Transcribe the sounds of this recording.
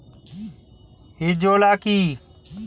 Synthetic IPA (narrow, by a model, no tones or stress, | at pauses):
ɦid͡ʒoːlaːkiː